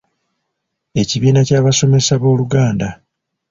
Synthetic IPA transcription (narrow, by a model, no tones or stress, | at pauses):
e̞ciβiːnacaːβaso̞me̞saβo̞ːluɡaːnda